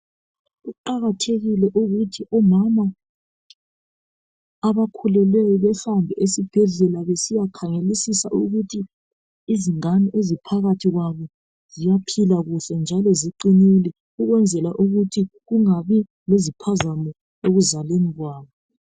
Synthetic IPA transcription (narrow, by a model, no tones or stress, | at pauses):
ɣuǃaɣatʰeɣilɛʔuɣutʰiʔɔmama | βakʰulɛlɛjɔβɛɬambʱɛʔesib̥ʱɛɮɛlaβesijakʰaŋelisisaʔuɣutʰiː | ziŋaniʔezipʰaɣatʰiɣwaβɔ | z̥ijapʰilaɣuɬɛnd͡ʒʱalɔziǃinilɛ | uɣwɛnd͡zʱɛlaʔuɣutʰiɣuŋaβi | lezipʰazamɔ | eɣuzaleniɣwaːβɔ